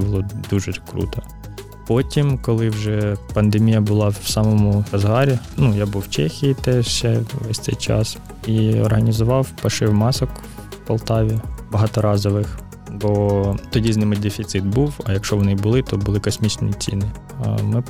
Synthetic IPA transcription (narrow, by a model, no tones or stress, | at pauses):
bʊlˠɔd̪uʒɛkɾṵt̪ɔ | pɔtʲimkɔlˠɪwʒɛpɐnd̪emʲijɐbʊlˠɑwsɑmɔmʊɐzɦɑɾʲinujabuwwt͡ʃɛxʲijit̪ɛʃɛʋɛsʲtsɛ̰jt͡ʃɑ̰s | iɔ̰rɦɐnʲizʊʋɑwpɐʃɪwmɑsɔk | pɐlˠt̪ɑʋʲibɐɦɑt̪ɔɾɑzɔʋɪx | bɔt̪ɔdʲiznɪmɛtʲd̪efʲit̪sɪt̪̚buwɐjɐkʃɔʋɔnɪbʊlˠɪt̪ɔbʊlˠɪkɔsʲmʲit͡ʃnit͡sʲḭnɪ̰ | mɪ